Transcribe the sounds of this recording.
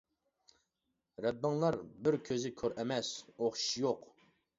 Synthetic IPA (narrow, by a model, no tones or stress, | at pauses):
ɾɛbːɪŋlˠɑɾbɪɾkʲʰøzɪkʲʰøɾʔɛmɛsoχʃʃjoq